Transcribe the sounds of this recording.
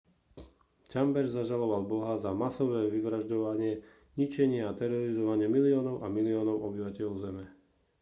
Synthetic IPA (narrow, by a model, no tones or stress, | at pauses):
cambɛɾzaʒalɔʋalbɔɦazamasɔʋɛːʋiʋɾaʒɟɔʋaɲɪɛ | ɲit͡ʃɛɲɪɛat̪ɛɾɔɾizɔʋaɲɪɛmiliɔːnɔʊʔamiliɔːnɔʊɔbiʋacɛʎɔʊzɛmɛ